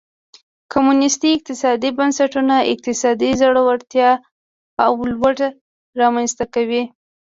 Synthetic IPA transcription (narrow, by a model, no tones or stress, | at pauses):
kʰomunɪst̪iɪq̚t̪ɪsɑd̪ibansaʈunaʔɪ̰q̚t̪ɪsɑd̪izaɽowaɾt̪jɑ | awlwaʈa | ɾɑmanst̪akawi